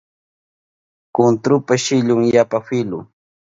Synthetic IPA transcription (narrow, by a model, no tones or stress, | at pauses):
kʊnt̪ɾʊpaʃɪʎʊŋjapafɪlʊ̰